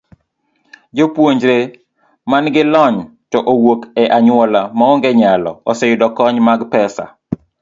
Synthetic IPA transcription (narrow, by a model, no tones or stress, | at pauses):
d͡ʒopwoɲd͡ʒɾe | manɡɪlɔɲ | tɔʔowokɛʔaɲʊwɔlamaɔŋɡɛɲalɔ̰ɔsɛjʊdɔkɔɲmaɡpɛsa̰